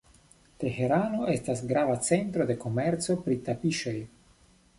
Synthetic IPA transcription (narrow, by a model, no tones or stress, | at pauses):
te̞he̞ɾano̞ʔe̞stasɡɾavat͡se̞ntɾo̞de̞ko̞me̞ɾt͡so̞pɾitapiʃo̞j